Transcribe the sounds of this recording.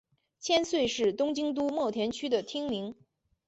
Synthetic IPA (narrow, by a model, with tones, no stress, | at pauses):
t͡ɕʰjɛ˥nswe˥˧ɪʂɻ̩˥˩t̪ʊ˥ŋt͡ɕi˥ŋt̪̬u˥mwɔ˥˩t̪ʰjɛ˧˥nt͡ɕʰy˥d̪ə˨t̪ʰi˥ŋmi˧˥ŋ